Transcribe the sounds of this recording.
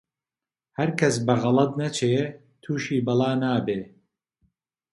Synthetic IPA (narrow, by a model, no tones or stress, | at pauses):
hɐɾkʰɐsbɐɣɐlˠɐd̪nɐt͡ʃʰeː | t̪ʰuːʃiːbɨlˠɑːnaːbeː